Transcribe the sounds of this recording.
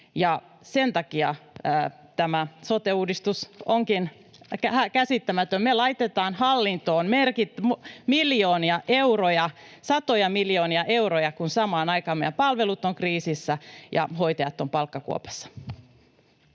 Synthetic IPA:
jɑ | sent̪ɑkiɑəː | t̪æmæsot̪euːdist̪usoŋkin | kæhækæsit̪ːæmæt̪ømmelɑit̪et̪ɑːnhɑlːint̪oːnmerkit̪mmiljoːniɑʔeurojɑ | sɑt̪ojɑmiljoːniɑʔeuɾojɑkunsɑmɑːnɑikɑːmḛæpɑlʋelut̪ːˑoŋkriːsisːæjɑ̰hoit̪ejɑt̪ːompɑlkːɑkṵo̰pɑ̥sːɑ̥

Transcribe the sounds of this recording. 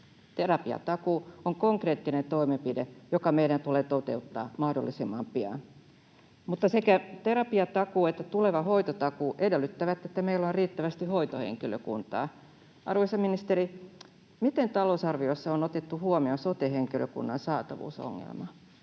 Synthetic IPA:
t̪erɑpiɑ̰t̪ɑkuːoŋkoŋkreːt̪ːinent̪oimempidejokɑmeiɾænt̪uleːt̪ot̪eut̪ːɑ̰ːmɑhdolːisimːɑmpiɑ̰n | mut̪ːɑsekæt̪eɾɑpiɑt̪ɑkuːet̪ːæt̪uleʋɑhoit̪ot̪ɑkuːʔedelːyt̪ːæʋæt̪ːet̪ːæmeilːonriːt̪ːæʋæst̪ihoit̪ohḛŋkiløkṵnt̪ɑ̰ː | ʔɑ̰rʋoisɑminist̪eɾi | mit̪ent̪ɑlousɑrʋioisːɑonot̪et̪ːuhuomiosot̪eheŋkiløkṵnːɑnsɑːt̪ɑ̰ʋṵːso̰ŋːḛlmɑ

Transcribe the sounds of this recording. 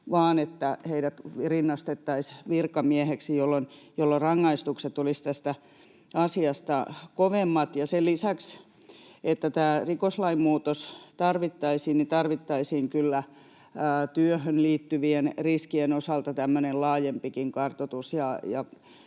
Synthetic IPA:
ʋɑːnet̪ːæheiɾæt̪ʋrinːɑst̪et̪ːɑisʋirkɑmieheksijolːonjolːorɑŋːɑist̪ukset̪olist̪æst̪æ | ɑsiɑst̪ɑkoʋemːɑt̪jɑsellisæks | et̪ːæt̪æːrikoslɑimmuːt̪ost̪ɑrʋit̪ːɑisiːnnit̪ɑrʋit̪ːɑisiːŋkylːæ | t̪yøhønliːt̪ːyʋienriskienosɑlt̪ɑt̪æmːønellɑːjempikiŋkɑrt̪ot̪usjɑjɑ̰

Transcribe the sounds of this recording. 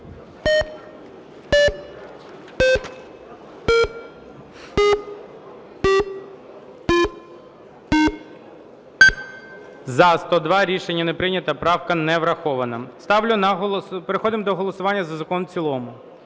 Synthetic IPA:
zɐst̪ɔd̪ʋɑɾʲiʃenʲːɐnepɾɪnʲɐt̪ɐpɾɑwkɐnɛʋɾɐxɔʋɐnɐst̪ɑwlʲʊnɦˠpeɾexɔd̪ɪmd̪ɔɦɔlˠɔsʊʋɑnʲːɐzɐzɐkɔnt͡sʲilˠɔmʊ

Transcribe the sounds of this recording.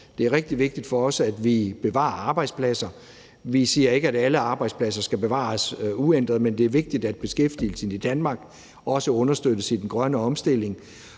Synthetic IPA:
d̥e̝æɐʁɛɡ̥̚d̥iʋe̝ɡ̥̚d̥id̥fɒ̽ɒ̽sæd̥ʋib̥e̝ʋɑ̰̈ɐɑ̈ːb̥ɑ̈ɪd̥spʰlæsɐ | ʋisiːɐe̝ɡ̥əæɾ̥æləɑ̈ːb̥ɑ̈ɪd̥spʰlæs̬ɐsɡ̥æb̥e̝ʋɑ̰̈suend̥ʁɐð̩ˠmend̥e̝æɐʋe̝ɡ̥̚d̥id̥æd̥̚b̥e̝sɡ̥efd̥ḭl̩sən̩id̥ænmɑ̈ːɡ̥ | ɒ̽səɔ̽nɐsd̥øðəsidnɡ̥ʁɶnəɒ̽msd̥e̝l̰e̝ŋ

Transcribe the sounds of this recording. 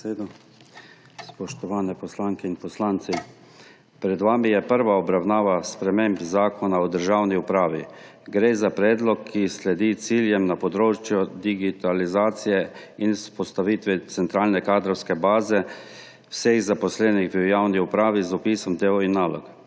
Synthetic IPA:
eːd̪ɔ | spɔʃt̪ɔʋaːnɛpɔslaŋkɛinpɔslaːnt̪si | pɾɛd̪ʋaːmijɛpəɾʋaɔbɾawnaːʋaspɾɛmembzaːkʰɔnaɔd̪əɾʒaːwniupɾaːʋḭ | ɡɾeːzapɾɛːd̪lɔkʰːislɛd̪it̪siːljɛmnapɔd̪ɾoːt͡ʃjɔd̪iɡit̪alizaːt̪sijɛinspɔst̪aʋiːt̪ʋɛt̪sɛnt̪ɾaːlnɛkaːd̪ɾɔwskɛbaːzɛ | wseɣzapɔslɛːniɣʋiwjawniupɾaːʋizɔpiːsɔmd̪eːɔinːaːlɔ̰k

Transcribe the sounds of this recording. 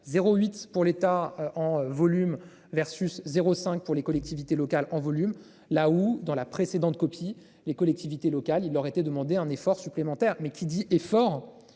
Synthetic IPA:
zeʁoɥit̪puʁlet̪aøɑ̃vɔlym | vɛʁsyszeʁosɛ̃k̚puʁlekɔlɛk̚t̪ivit̪elɔkalɑ̃vɔlym | laud̪ɑ̃lapχesed̪ɑ̃t̪̚kɔpʰi | lekɔlɛk̚t̪ivit̪elɔkalilːœʁet̪ɛd̪əmɑ̃d̪eɛ̃nefɔʁsyplemɑ̃t̪ɛʁmɛkʲʰid̪iʔɛfɔʁ

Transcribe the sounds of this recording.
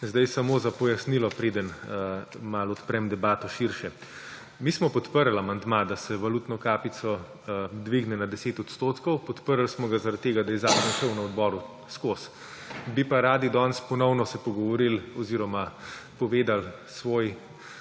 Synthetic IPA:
zd̪ajsamozapɔjasnilɔpɾeːd̪ən | malɔt̪pɾɛmd̪ɛbaːt̪ɔʃiɾʃɛ | mismɔpɔt̪pəɾlamand̪mad̪asɛʋaluːt̪nɔkaːpit̪sɔ | d̪ʋiɡnɛnad̪ɛseːt̪ɔt̪st̪oːt̪kɔwpɔt̪pəɾlsmɔɡazaɾat̪̚ːeːɡad̪ajɛzaːkɾnʃəwnaɔd̪bɔːɾu | skos | bipaɾaːd̪id̪ɔnspɔnɔwnɔsɛpɔɡɔʋɔɾilɔziɾɔmapɔʋeːd̪al | sʋoːj

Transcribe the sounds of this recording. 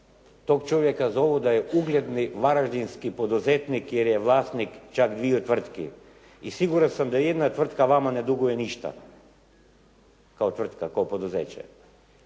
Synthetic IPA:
t̪okt͡ʃɔvjɛkazɔvɔd̪aɛuɡlʲɛd̪nivaɾaʒd̪inskipod̪uzɛt̪nikɛɾjɛvlˠasnikt͡ʃaɡd̪viɔt̪vr̩t̪kḭ | isiɡuɾansamd̪aɛd̪nat̪vr̩t̪kavamanɛd̪uɡujɛniʃt̪a̰ | kaot̪vrt̪kakaopod̪uzɛt͡ʃɛ̰

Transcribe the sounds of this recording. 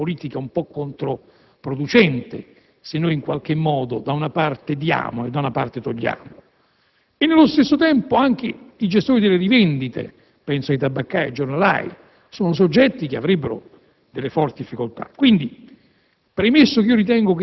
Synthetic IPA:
poliːt̪ikaumpɔkːont̪ɾo | pɾod̪ut͡ʃɛnt̪ḛ | senːojiŋkwalk̟emːɔːd̪od̪aunapart̪ed̪ja̰ːmoed̪ːaunapa̰rt̪et̪oʎːa̰ːmo | enːelːost̪esːot̪ɛmpoaŋk̟ɪid͡ʒest̪oːɾid̪elːeɾivɛnd̪it̪ḛ | pɛnsoajt̪abːakːajḛd͡ʒːornala̰j | soːnos̬od͡ʒːɛt̪ːik̟eavɾebːeɾo̰ | d̪elːefɔrt̪id̪ifːikolt̪a̰kːwind̪i | pɾemesːokiːoɾit̪̬ɛŋɡok

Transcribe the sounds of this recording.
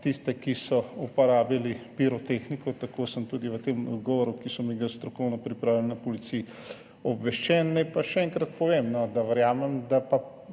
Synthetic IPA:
t̪ist̪ɛkisɔupɔɾaːbilipiɾɔt̪exnikɔt̪akosəmt̪uːd̪iʋət̪eːmɔ̰d̪ɡɔʋɔɾukisɔmiɡast̪ɾɔkɔwnɔpɾipɾaːwlɛlinɐpɔlit̪sij | ɔbʋɛʃt͡ʃɛnːajpaʃɛɛŋkɾɐt̪pɔʋemnɔd̪aʋəɾjaːmɛmd̪apa

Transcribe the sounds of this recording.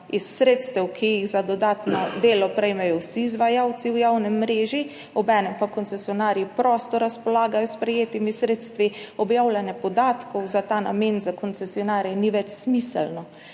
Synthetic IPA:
isːɾeːt̪st̪ɛwkʰijiɣzad̪ɔd̪aːt̪nɔd̪eːlɔpɾɛjmɛjɔwsizʋajawt̪siwjaːwnɛmːɾeːʒi | ɔbɛːnɛmpakɔnt̪sɛsiɔnaːɾjipɾɔst̪ɔɾaspɔlaːɡajɔspɾɛjeːt̪imisɾeːt̪st̪ʋiɔbjaːwlʲanjɛpɔd̪aːt̪kɔwzat̪aːna̰menzakɔnt̪sɛsiɔnaːɾjɛniʋɛt͡ʃsmisɛlnɔ

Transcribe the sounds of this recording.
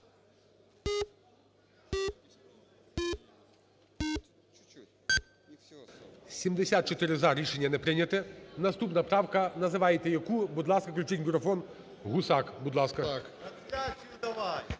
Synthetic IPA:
sʲimd̪esʲat̪̚t͡ʃɔt̪ɪɾɪzɑɾʲiʃenʲːɐnɛpɾɪnʲɐt̪ɛnɐst̪upnɐpɾɑwkɐnɐzɪʋɑjet̪ɛjɐkubud̪lˠɑskɐklʲut͡ʃɪnʲɡuɾɔfɔn | ɣusɑkbud̪lˠɑskɐ

